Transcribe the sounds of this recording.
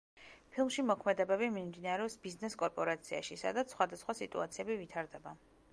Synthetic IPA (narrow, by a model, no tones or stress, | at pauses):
pʰilˠmʃimɔkʰmɛd̪ɛbɛbimimd̪inaɾɛɔsbiznɛskʼɔɾpʼɔɾat̪sʰia̰ʃisa̰d̪at̪ssχwad̪asχwasit̪ʼṵat̪sʰiɛbivit̪ʰaɾd̪ɛba